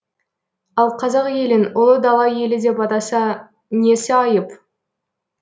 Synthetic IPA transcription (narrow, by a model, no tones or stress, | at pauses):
ɑlˠqʰɑzɑqje̞lɪnolˠd̪ɑlˠɑje̞lɪd̪e̞pɑt̪ɑsɑ | ne̞sɪɑjəp